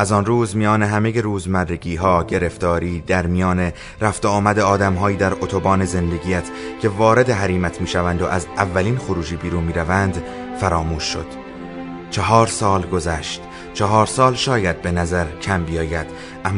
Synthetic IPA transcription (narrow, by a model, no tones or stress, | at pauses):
ʔæzɒnruːzmijɒːne̞ɦæmejeɾuːzmærːeɡiːɦɒːɟe̞ɾe̞ft̪ɒːɾiːd̪æɾmijɒːne̞ | ɾæft̪eɒːmæd̪e̞ɒːd̪æmɦɒːjiːd̪æɾot̪ʰo̞bɒːne̞ze̞nd̪e̞ɟijæt̪ʰcʰe̞vɒːɾe̞d̪e̞ɦæɾiːmæt̪ʰmiːʃævænd̪o̞ʔæzævːæliːnxoɾuːd͡ʒiːbiːɾuːnmiːɾævænd̪ | fæɾɒːmuːʃːo̞̰d̪̥ | t͡ʃʰeɦɒːɾsɒːlɡo̞zæʃt̪ | t͡ʃʰɒɦɒːɾsɒːlʃɒːjæd̪̚be̞næzæɾcʰæmbijɒːjæd̪̥ | ʔæm